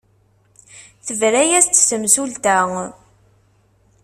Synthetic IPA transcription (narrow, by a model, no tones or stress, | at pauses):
θəvɾæjæst͡s̪ːsəmsult̪æ